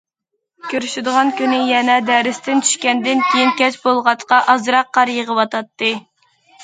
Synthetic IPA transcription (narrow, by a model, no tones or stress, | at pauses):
kʲøɾyʃɪd̪əʁɑnkʲynɪjɛnɛd̪ɛɾɪst̪ɪnt͡ʃʰy̥ʃkʲɛnd̪ɪnkʲʰejinkʲɛt͡ʃbolˠʁɑt̪qɑʔɑzɾɑqːɑɾjəʁəwɑt̪ɑt̪ːɨ